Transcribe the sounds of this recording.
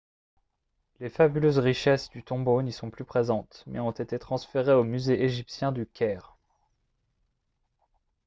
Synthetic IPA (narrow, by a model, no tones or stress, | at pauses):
lefabyløzʁiʃɛsd̪yt̪ɔ̃bonisɔ̃plypχezɑ̃t̪mɛɔ̃t̪et̪et̪χɑ̃sfeʁeomyzeʔeʒipsjɛ̃d̪ykʲɛːʁ